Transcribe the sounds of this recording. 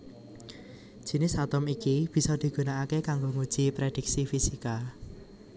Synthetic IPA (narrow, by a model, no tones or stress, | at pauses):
d̥ʒ̥i̤nɪsat̪ɔmikib̥i̤sɔd̪̥i̤ɡ̥ṳnaakekaŋɡoŋud̥ʒ̥i̤pɾed̥i̤k̚sifisika